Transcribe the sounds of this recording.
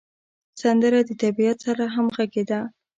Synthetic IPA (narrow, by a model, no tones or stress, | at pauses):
sand̪əɾad̪ət̪abijat̪saɾaɦamɣaɡed̪a